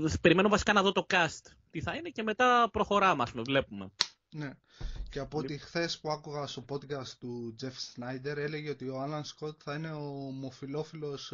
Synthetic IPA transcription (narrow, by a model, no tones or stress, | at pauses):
pe̞ɾimenuvɐsi̥kɐnɐðo̞t̪o̞kɐst̪ | t̪iθɐine̞ce̞me̞t̪ɐpɾo̞xo̞ɾɐmɐspumevle̞pume̞̰ | ne̞ | ceɐpot̪ixθe̞spuɐkuɣɐst̪opo̞d̪kɐst̪t̪ud͡ze̞fsnɐjd̪e̞ɾe̞leʝeo̞t̪io̞ɐlɐnsko̞t̪θɐine̞omofilo̞filo̞s